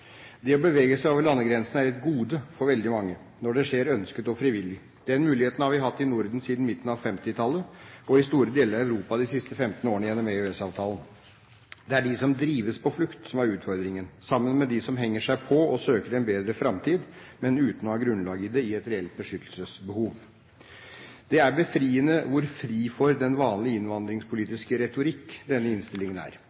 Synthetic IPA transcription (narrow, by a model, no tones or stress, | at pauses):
d̪ɛɔbəʋeːɡəsæɪoːʋəɾɭɑnːəɡɾɛnsn̩æɾɛt̪ɡuːd̪əfɔɾʋɛld̪ɪmɑŋːə | nɔɖɛʂeːɾœnskət̪ɔfɾɪʋɪlːɪ | d̪̥ɛnmʉːlɪheːt̪n̩hɑɾʋɪɦɑt̪ːɪnʊɾd̪n̩siːd̪n̩mɪt̪ːn̩ɑʋfɛmt̪ɪt̪ʰɑlːəɔɪst̪uːɾəd̪eːləɾɑæʉɾuːpɑd̪ɪsɪst̪əfɛmt̪n̩oːɾəɳəjɛnːɔmɛøɛsɑːʋt̪ʰɑːlən | d̪ɛæɖɪsɔmd̪ɾiːʋəspʰɔflʉkt̪sɔmæɾʉːt̪fɔɾd̪ɾɪŋənsɑmːənmɛd̪ɪsɔmɦɛŋːəʂæɪpʰɔɔsøːkəɾɛnbeːd̪ɾəfɾɑmt̪ʰiːd̪ | mɛnʉːt̪n̩ɔhɑɡɾʉnlɑːɡəd̪ɛɪɛt̪ɾɛɛlt̪̚bəʂʏt̪ʰːlsəsbəhuːʋ | d̪̥ɛæɾbəfɾiːənəʋʊɾfɾiːfɔɾd̪ɛnʋɑːnlɪɪnʋɑnd̪ɾɪŋspʰʊliːt̪ɪskəɾɛt̪ʊɾɪkːd̪ɛnːəɪnst̪ɪlɪŋənæ̰ːɾ